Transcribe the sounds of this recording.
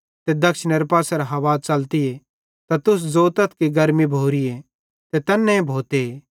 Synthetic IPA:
t̪ed̪ɐkʃnɐɾpaːsɐɾaɦɐʋaːt͡sɐlt̪ɪe | t̪at̪ʊs̬zoːt̪ɐt̪ʰkiɡɐɾmibʱoːɾije | t̪et̪ɐnːɛ̃ẽbʱoːt̪e

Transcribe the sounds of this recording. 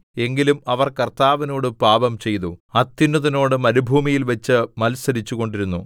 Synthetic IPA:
e̞ŋɡilumɐʋɐrkɐrt̪aːʋɐno̞ːɽɨpaːbɐmt͡ɕe̞jt̪uɐt̪ːinːuðɐno̞ːɽɨmɐnubʱuːmijilʋɐt͡ɕːɨmɐlsɐɾit͡ɕːuɣo̞ɳɖiɾunːu

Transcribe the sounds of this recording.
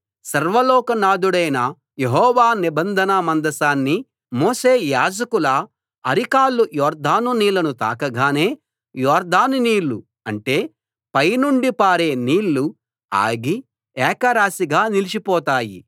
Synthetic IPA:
sɐɾʋɐlɔːkɐnaːd̪uɽɐjnɐ | jeɦɔːʋaːnibɐnd̪ʱɐnɐmɐnd̪ɐsaːnːi | moːse̞ːjaːd͡ʒɐkulɐː | ɾikaːlːujɔːɾd̪ʱaːnuniːlɐnut̪a̰ːkɐɡaːne̞ː | jɔːɾd̪ʱaːnuniːlːu | ɐɳʈe̞ː | pɐjnuɳɖipaːɾe̞ːniːlːu | a̰ːɐɡi | ɛːkɐɾaːsiɡaːnilit͡ʃipɔːt̪aːjḭ

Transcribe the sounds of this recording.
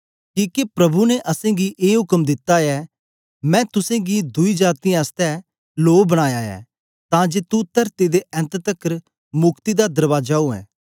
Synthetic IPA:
kiːkepɾɐbʱunɛʔɐsẽːɡiʔeːɦʊkəmd̪ɪt̪ːaɛ | mɛ̃ːt̪ʊsẽɡid̪ʊid͡ʒaːt̪iaːst̪ɛ | loːbɐɽ̃aːjaːɛ̰ː | t̪ãːd͡ʒeːt̪ut̪ɐɾt̪id̪eʔɛ̃nt̪t̪əkəɾ | mʊkt̪id̪ad̪ɐɾʋaːd͡ʒaːuɛ̰̃ː

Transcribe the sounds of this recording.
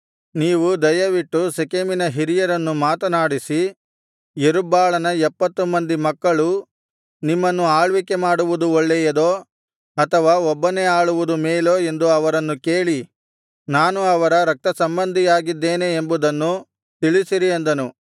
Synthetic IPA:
niːʋud̪ɐjɐʋiʈːusekeminɐɦiɾijɐɾɐnːumaːt̪ɐnaːɽisi | jeɾubːaːɭɐnɐɛpːɐt̪ːumɐnd̪imɐkːɐɭu | nimːɐnːuaːɭʋike̞maːɽuʋud̪uɔɭːɛjɐd̪oː | ɐt̪ʰɐʋaːɔbːɐne̞aːɭuʋud̪umeːloːe̞nd̪uɐʋɐɾɐnːuke̞ːɭi | naːnuɐʋɐɾɐɾɐk̚t̪ɐsɐmbɐnd̪ʱijaːɡid̪ːe̞ːneːmbud̪ɐnːu | t̪iɭisiɾiɐnd̪ɐnu

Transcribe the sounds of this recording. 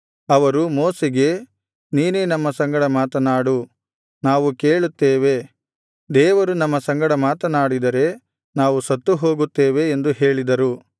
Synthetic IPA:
ɐʋɐɾumo̞ːseɡe̞ | niːneːnɐmːɐsɐŋɡɐɽɐmaːt̪ɐnaːɽu | naːʋukeːɭut̪ːeːʋe̞ | d̪ɛːʋɐɾunɐmːɐsɐŋɡɐɽɐmaːt̪ɐnaːɽid̪ɐɾe̞ | naːʋusɐt̪ːuɦo̞ːɡut̪ːeːʋe̞ːnd̪uɦeːɭid̪ɐɾu

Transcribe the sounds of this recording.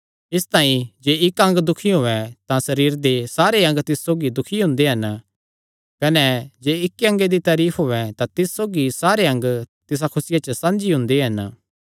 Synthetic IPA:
ɪst̪ãːĩd͡ʒeːɪkɐ̃ŋɡd̪ʊkʰiɦoːɛt̪ãsɐɾiːɾd̪esaːɾeɐ̃ŋɡt̪ɪssoːɡid̪ʊkʰiɦʊ̃nd̪eɦɐn | kɐnɛd͡ʒeːɪkːɐ̃ŋɡed̪it̪aːɾiːpʰɦoːɛt̪ãt̪ɪssoːɡisaːɾeɐ̃ŋɡt̪ɪs̬akʰʊsɪjat͡ʃəsɐ̃nd͡ʒiɦʊ̃nd̪eɦɐn

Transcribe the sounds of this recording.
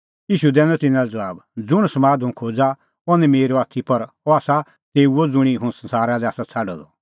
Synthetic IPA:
jiːʃud̪ɛːnɔt̪ɪnãlɛd͡zɐʋaːbd͡zʊɽ̃sɐmaːd̪ɦʊ̃kʰoːd͡za | ɔnɛmeːɾoaːt̪ʰipɐɾ | ɔaːsa | t̪eːuod͡zʊɽ̃iɦʊ̃sɐ̃nsaːɾad̪ɛaːsat͡sʰaɖɔ̰d̪ɔ

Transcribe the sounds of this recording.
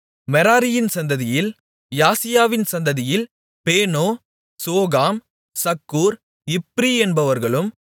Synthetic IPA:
mɛɾaːɾɪjɪnsɐnd̪ɐðɪjɪl | jaːsɪjaːʋɪnsɐnd̪ɐðɪjɪl | peːnoː | soːɣaːm | sɐkːuːɾ | ɪpːɾiɛnbɐʋɐɾɣɐɭɯm

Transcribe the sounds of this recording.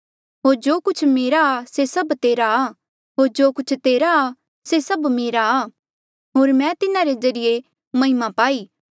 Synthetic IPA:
ɦoːɾd͡ʒoːkʊt͡ʃʰmeːɾaːsesɐbt̪eːɾaː | ɦoːɾd͡ʒoːkʊt͡ʃʰt̪eːɾa | sesɐbmeːɾaː | ɦoːɾmɛ̃t̪ɪnãɾezɐɾɪje | mɐ̃ɦɪmãpaːiː

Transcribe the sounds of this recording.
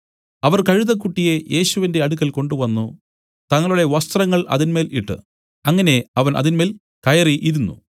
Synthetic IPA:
ɐʋɐrkɐɻuðɐk̬ːuʈːije̞jʔe̞ːɕuʋinde̞ɐɽuk̬ːɐlko̞ɳɖuʋɐnːu | t̪ɐŋːɐɭuɽe̞ʋɐst̪rɐŋːɐɭʔɐ̰ðinme̞ːliʈːɨ̰ | ɐŋːɐne̞ɐʋɐnʔɐ̰ðinme̞ːl | kɐjɐriʔiɾunːu

